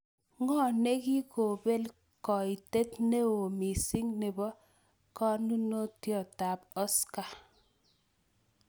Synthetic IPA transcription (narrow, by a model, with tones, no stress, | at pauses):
ŋɔ˦˨ne˦ki˦ko˨be˦l | kɔ˨i˨te˦tne˦wo˨mi˨si˦ŋne˨bɔ˦ | kɔ˦nu˦no˦tjɔ˨ta˨pɔ˦ska˨